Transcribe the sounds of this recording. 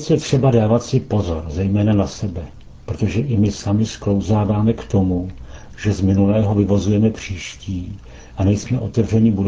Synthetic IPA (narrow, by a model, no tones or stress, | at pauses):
t͡sjɛt̪r̝̥ɛbadaːvat̪sɪpo̞zo̞ɾzɛjmɛːnanasɛbɛ | pɾot̪o̞ʒɛʔɪmɪsamɪsklo̞wzaːvaːmɛkt̪o̞mu | ʒɛzmɪnulɛːɦo̞vɪvo̞zujɛmɛpr̝̥iːʃciː | ʔanɛjsmɛʔo̞t̪ɛvr̝ɛɲɪbud